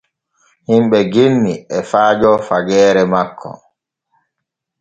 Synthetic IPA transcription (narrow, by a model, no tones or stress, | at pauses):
himɓɛɡenːiɛfaːd͡ʒɔfaɡɛːɾɛmakʰːɔ̰